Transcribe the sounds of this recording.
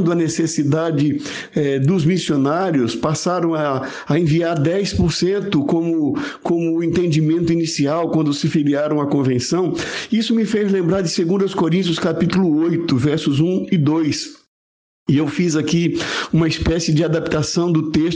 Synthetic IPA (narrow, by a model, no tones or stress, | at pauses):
d̪ʊɐnesesid̪ad͡ʒɪ | ɛd̪ʊzmisionaɾjʊspasaɾɐ̃w̃ɐː | ẽviaɾd̪ɛjspoɾsẽnt̪ʊkõmʊkõmʊːẽt̪ẽd͡ʒimẽnt̪ʊinisiawkwɐ̃nd̪ʊsɪfiliaɾɐ̃w̃ɐkõvẽsɐ̃w̃isʊmɪfejzlẽmbɾaɾd͡ʒɪseɡũnd̪ɐʊskoɾĩt̪jʊskapit̪ulʊojt̪ʊvɛɾsʊzũɪd̪ojs | ɪewfizakiũmɐispɛsɪd͡ʒɪad̪ap̚t̪asɐ̃w̃d̪ʊt̪eʃ